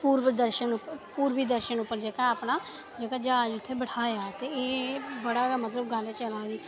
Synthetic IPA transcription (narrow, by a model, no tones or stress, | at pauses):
puːɾʋəd̪əɾʃənʊpːəpuːɾʋiːd̪əɾʃənʊpːəɾd͡ʒeːkaaːpnaː | d͡ʒeːkaːd͡ʒaːd͡ʒʊt̪ʰːeːbəɽʰaːjaːt̪eːeːbəɽaːʋɛːmət̪ləbɡəlet͡ʃəlaːiː